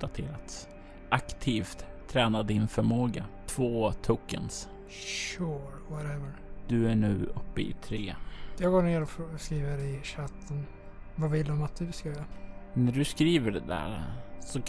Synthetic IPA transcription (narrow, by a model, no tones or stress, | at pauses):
d̪at̪ʰeːɾat̪s | ʔakt̪ʰiːft̪ʰːɾɛːnad̪ɪnfœɾmoːɡat̪ʰvoːt̪ʰɵkːə̰ns | ʃuɾwɔɾɛvəɹd̪̥ɵæɳʉ̟ːʔɵpːəɪ̰t̪ʰɾeːjɑːɡoːɳeːɾɔfskɾiːvəɾɪɕat̪ʰːən | vavɪlːɔmat̪̚d̪ɵskanæɖɵskɾiːvəɖɛd̪æ̰ːɾsɔ